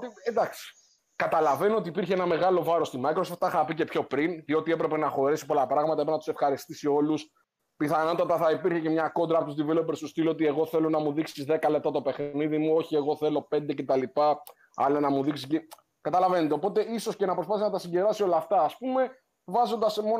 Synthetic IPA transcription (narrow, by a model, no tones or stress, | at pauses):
t̪ied̪ɐksi̥ | kɐt̪ɐlɐve̞noot̪iːpiɾçeenɐme̞ɣɐlo̞vɐɾo̞st̪imɐjkɾosoft̪ɐxɐpice̞pço̞pɾinðio̞t̪ie̞pɾe̞pe̞nɐxo̞ɾisi̥po̞lɐpɾɐɣmɐt̪ɐepenɐt̪u̥sefxɐɾist̪isio̞lus | piθɐno̞t̪ɐt̪ɐθɐipiɾçecemɲɐko̞nd̪ɾɐpot̪uzðivelopeɾst̪ust̪ilot̪ie̞ɣo̞θe̞lo̞nɐmuðiksizðe̞kɐle̞p̚t̪ɐt̪o̞pe̞xniðimuo̞çieɣo̞θe̞lo̞pe̞nd̪e̞cet̪ɐlipɐ | ɐ̰lɐnɐmuðiksisce | kɐt̪ɐlɐvenet̪eopo̞t̪e̞iso̞sce̞nɐpɾspɐθiznɐt̪ɐsiɲɟe̞ðɾɐsio̞lɐːft̪ɐːspume̞ | vɐzo̞nd̪ɐsmo